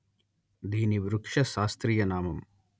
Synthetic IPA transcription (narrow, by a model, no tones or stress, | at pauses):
d̪iːniʋɾukʂɐʃaːst̪ɾiːjɐnaːmɐm